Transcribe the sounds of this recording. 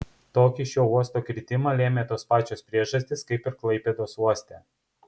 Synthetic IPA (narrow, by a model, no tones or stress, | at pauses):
t̪oːkʲɪʃʲoːuɔst̪oːkʲɾʲɪt̪ʲɪmɐlʲeːmʲeːt̪oːspɑːt͡ʃʲoːspʲɾʲiɛʒɐsʲt̪ʲɪskɐɪpɪɾklˠɐɪpʲeːd̪oːsuɔsʲt̪ʲɛː